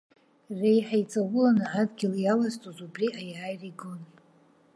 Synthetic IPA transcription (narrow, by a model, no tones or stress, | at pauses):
rejħajt͡sʼawʊlanaʕadɡʲɪljalaztʼozubriʔajaːjriɡun